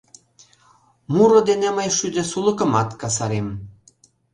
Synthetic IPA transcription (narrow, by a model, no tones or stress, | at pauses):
muɾŏd̪eneməjʃyd̪ĕsulə̆kə̆mɑt̪kɑs̬ɑɾem